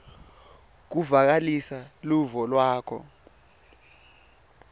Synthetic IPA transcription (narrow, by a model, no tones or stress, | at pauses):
k̬uvak̬alisaluvɔlwaːkʰɔ̰